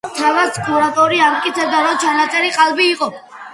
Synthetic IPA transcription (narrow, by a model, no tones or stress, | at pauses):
t̪ʰalaskʰɔɾat̪ʼɔɾiamt̪̚kʼit̪sʰɛbd̪aɾɔt͡ʃʰanat̪sʼɛɾiqʼalˠbiːqʼɔ